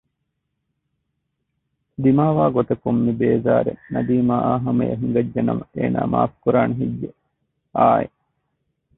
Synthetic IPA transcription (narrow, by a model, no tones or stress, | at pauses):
d̪imaːʋaːɡot̪ɐkumːibeːzaːɾḛnɐb̪iːmaaːɦɐmɐjɐ̰ɦiŋɡɐd͡ʒːɐnɐmɐʔeːna̰ːma̰ːfkuɾaːneɦiɟːe | aːḛ